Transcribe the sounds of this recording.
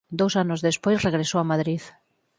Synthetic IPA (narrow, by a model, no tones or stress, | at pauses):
d̪owsanozðespojsreɣɾesoamaðɾið